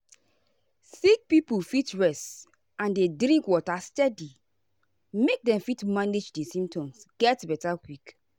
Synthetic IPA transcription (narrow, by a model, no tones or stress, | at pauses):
sik̚pipulfitɹɛst | ãndedɾĩŋkwɔtastɛdi | mek̚dɛ̃mfitmaned͡ʒdɛsĩmptɔ̃msɡ̥ɛtbɛtakwik